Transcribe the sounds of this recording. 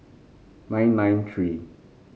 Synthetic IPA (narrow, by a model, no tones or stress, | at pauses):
nãj̃nːãj̃ntʰɹi